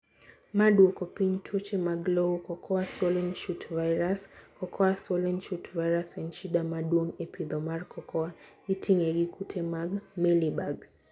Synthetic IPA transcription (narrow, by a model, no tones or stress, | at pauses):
maɗuɔkɔpiɲtʰɔt͡ʃɛmaɡlɔɔkɔkʰɔaswɔlɛnʃutvajɾaskɔkʰɔaswɔlɛnʃutvajɾasɛnt͡ʃiɗamaɗuɔŋɛpʰiðɔmaɾkʰɔkʰɔa | itʰiŋɛɡikʰutʰɛmaɡmɛlibaɡs